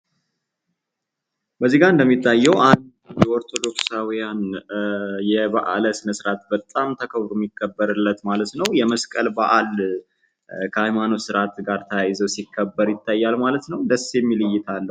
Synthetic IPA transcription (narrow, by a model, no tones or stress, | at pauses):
bəzːiɡaɾɨnd̪əmːit̪ʰːajːɛwʔand̪ | jɛʔɔɾt̪ʰo̞d̪o̞ksawijan | jɛbaʔa̰ləsɨnəsɨɾat̪bət̪ʼːamt̪ʰəkʰəβɾomːikʰːəbːəɾɨlːət̪malət̪nəwjɛməskʼəlbaʔal | kʰəhajmanosɨɾat̪ɡaɾt̪ʰəjajzəwsikʰːəbːəɾjɪt̪ʰːajːalmalət̪nəwd̪əsːemːilɨjːɪt̪ʰalːəw